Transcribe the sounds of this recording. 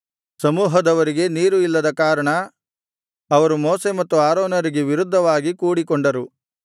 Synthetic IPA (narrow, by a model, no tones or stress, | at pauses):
sɐmuːɦɐd̪ɐʋɐɾiɡe̞niːɾuilːɐd̪ɐkaːɾɐɳɐ | ɐʋɐɾumoːse̞mɐt̪ːuaːɾoːnɐɾiɡeʋiɾud̪ʱːɐʋaːɡikuːɽikoɳɖɐɾu